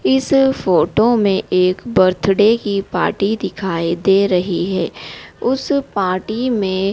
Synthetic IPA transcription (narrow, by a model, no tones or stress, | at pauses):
ɪsfoːʈomẽʔeːkbɐɾt̪ʰɽekipa̰ːɾʈid̪ɪkʰaːid̪eːɾɐɦiɦɛːʊspaːɾʈimẽ